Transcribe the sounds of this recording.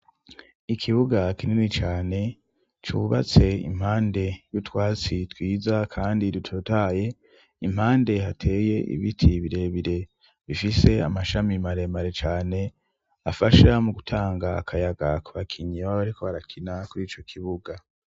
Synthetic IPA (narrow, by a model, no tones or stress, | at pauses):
ikʰiβuɡakininit͡ʃaːne̞ | t͡ʃuβa̰t͡se̞ḭm̥haːnde̞jutwaːt͡sitwiːzakʰaːndiɾutʰotaːje̞ | im̥haːnde̞hatʰe̞ːje̞ʔḭβitʰiβiɾe̞βiɾe̞ | βifise̞a̰maʃamimaɾe̞maɾe̞t͡ʃaːne̞ | afaʃamuɡutʰaːŋɡa̰ːkʰajaɡakuβakʰiɲiaaβaɾiko̞βaɾakʰinakuɾiːt͡ʃo̞kʰiβuɡa